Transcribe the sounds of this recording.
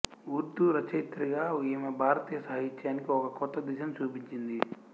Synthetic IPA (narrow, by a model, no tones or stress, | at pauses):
uɾt̪uɾɐt͡ʃɐjt̪ːɾiɡaːujɐmɐbʱaːɾɐt̪iːjɐsɐɦɐɦit͡ʃːɐaːnikiɔkɐkɔt̪ːɐd̪iʃɐmt͡ʃuːpiɲt͡ʃind̪i